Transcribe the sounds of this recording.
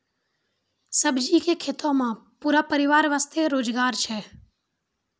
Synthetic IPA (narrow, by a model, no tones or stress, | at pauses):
səbd͡ʒikekʰet̪õmãpuːɾapəɾɪʋaːɾʋast̪ʰeɾoːd͡ʒɡaːɾt͡ʃʰɛː